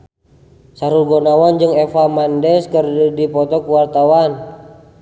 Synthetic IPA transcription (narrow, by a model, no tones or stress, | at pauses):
saɾulɡɔnawand͡ʒɨŋɛfamandɛskərdipɔt̪ɔkuwart̪awan